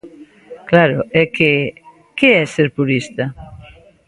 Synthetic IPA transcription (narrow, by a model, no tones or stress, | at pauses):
klaɾʊɛke | keɛseɾpuɾist̪ɐ